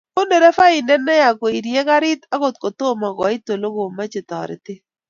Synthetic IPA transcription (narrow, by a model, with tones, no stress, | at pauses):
ko˦ndo˨ɾɛ˦fa˦ɪ˨ndɛ˦nɛ˦ja˨ko˨i˨ɾje˦ka˦ɾɪ˦t̪a˦ko˨t̚ko˨to˦ma˨ɡɔ˨ɪ˦to˨lo˦ɡo˨ma˦t͡ʃɪ˨t̪ɔ̰˨ɾɪ̰˨tɪ˦